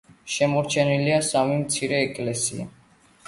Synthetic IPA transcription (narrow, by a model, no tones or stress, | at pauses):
ʃɛmɔɾt͡ʃʰɛniliasamimt̪sʰiɾɛːkʼlɛsḭa̰